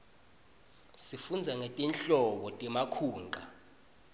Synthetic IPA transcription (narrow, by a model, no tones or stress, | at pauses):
sifund͡zʱaŋɛtʼɛnɬɔɓɔtʼɛmakʰuːŋǃʱa